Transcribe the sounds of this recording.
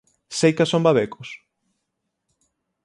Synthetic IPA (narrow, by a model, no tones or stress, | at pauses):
sejkasombaβekʊs